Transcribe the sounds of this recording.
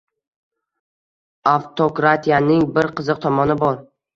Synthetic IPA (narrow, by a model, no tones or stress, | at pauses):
aft̪ʰokɾat̪ʰijanɪŋbɪɾqʰɨzɨq̚t̪ʰɒmɒnɪbɒɾ